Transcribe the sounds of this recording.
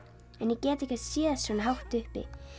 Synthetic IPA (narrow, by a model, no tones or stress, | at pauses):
ɛnjɛcɛːt̪ɛhcasiːðasvɛːnaɦawht̪ʏhpɪ̰